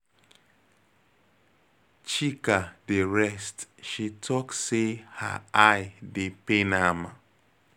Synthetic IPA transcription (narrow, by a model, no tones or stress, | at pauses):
t͡ʃikadeɹɛstʃitʰɔkseha̰aɪdepenama